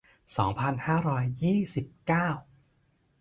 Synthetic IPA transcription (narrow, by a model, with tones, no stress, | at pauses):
sɔː˩˦ŋpʰa˧nhaː˥˩ɾɔː˦˥jːiː˥˩si˨˩p̚kaː˥˩w